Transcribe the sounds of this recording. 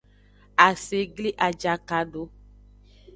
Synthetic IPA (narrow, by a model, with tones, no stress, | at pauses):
a˨se˨ɡli˦ʔa˨d͡ʒa˨ka˨do˦